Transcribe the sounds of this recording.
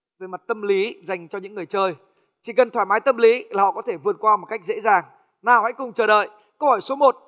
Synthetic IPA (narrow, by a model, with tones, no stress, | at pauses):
vəː˨˦jma˨˩t̚t̪ə˧mli˨˦za˨˩jŋ̟t͡ɕɔ˧ɲɨ̰˧˥ŋːɨ˨˩əjt͡ɕəː˧j | t͡ɕi˧˩kə˨˩nt̪waː˧˩jmaː˨˦jt̪ə˧mli˨˦a˨˩hɔ̰˧˨kɔ˨˦t̪ʰe˧˩vɨ˨˩ət̚kwaː˧mo˨˩ka˦˥jk̚zḛ˧˥zaː˨˩ŋ | naː˨˩wha̰˧˥jkʊ˨˩ŋ͡mt͡ɕəː˨˧˩ɗə̰ː˧˨j | kə˧whɔəː˧˩jso˨˦mo˨˩t̚